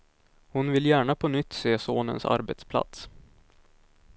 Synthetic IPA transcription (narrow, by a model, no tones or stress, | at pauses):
hʊnvɪljæːɳapʰɔnʏt̪ːseːsoːnə̰nsa̰ɾbɛt̪spʰla̰t̪s